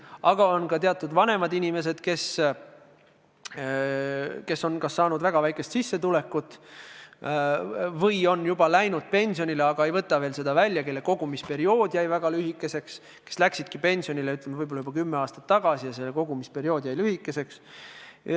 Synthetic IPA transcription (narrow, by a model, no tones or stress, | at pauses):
ɑɡ̥ɑo̞nkɑt̪e̞ɑt̪ːˑud̪vɑne̞mɑd̪inʲime̞s̬e̞d̪̥ke̞s | ke̞so̞nkɑsːɑːnud̪væɡ̥ɑvæjke̞st̪sisːe̞t̪ule̞kːˑut̪ːˑ | vɤjo̞njub̥ɑlæjnud̪̥̚pe̞nʲsio̞nile̞ɑɡ̥ɑe̞jvɤt̪ːˑɑveːlse̞d̪̥ɑvælʲːjɑke̞lːe̞ko̞ɡ̥umispe̞ɾio̞ːd̪̥jæjvæɡ̥ɑlyhikːˑe̞se̞ks | ke̥slæksid̪̥̚kipe̞nʲsio̞nileyt̪lemevɤjbolɑjub̥ɑkymːeɑːst̪ɑ̥t̪ːɑɡ̥ɑsijɑs̬elːeko̞ɡ̥umispe̞ɾio̞ːd̪jæjlyhikːˑe̞se̞ks